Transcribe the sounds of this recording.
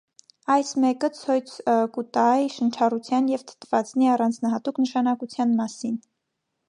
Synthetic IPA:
ɑjsmɛkət͡sʰɔjt͡sʰəkut̪ɑjʃənt͡ʃʰɑrut͡sʰjɑnjɛvt̪ʰə̥t̪ʰvɑt͡sniɑrɑnd͡znɑɦɑt̪uknəʃɑnɑkut͡sʰjɑnmɑsin

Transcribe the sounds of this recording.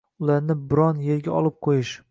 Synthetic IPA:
ʊlaɾnɪbɪɾɒnje̞ɾɡʲaɒlˠɪp̚qʰojɪʃ

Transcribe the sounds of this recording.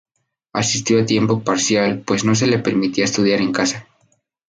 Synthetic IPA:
asist̪jo̞at̪je̞mpo̞paɾsjalpwe̞sno̞s̬e̞le̞pe̞ɾmit̪iaest̪uð̞jaɾe̞ŋkasa

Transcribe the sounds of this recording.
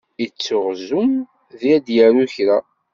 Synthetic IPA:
it͡sːʊʁzum | ðiæd̪jəɾuçɾa

